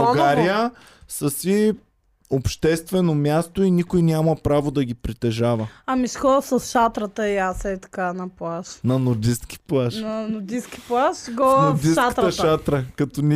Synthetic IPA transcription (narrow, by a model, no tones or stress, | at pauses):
ɡaɾijə | sɐsi | opʃt̪ɛst̪vɛnomjast̪oinikojnʲamɐpɾavod̪ɐɡ̟ʲipɾit̪ɛʒavəɐmisxɔd̪səsʃat̪ɾət̪əiasɛt̪ɐ̥kanɐplˠaʃnɐnʊɾd̪iskʲi̥plˠaʃnnɐnʊɾd̪iskʲi̥plˠaʃɡɔnod̪isʃtkt̪ɾəʃat̪ɾəkɐt̪ɔnʲi